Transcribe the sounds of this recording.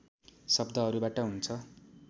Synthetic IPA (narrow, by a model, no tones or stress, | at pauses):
sʌbd̪ʱʌɦʌɾubaʈʌɦunt͡sʰʌ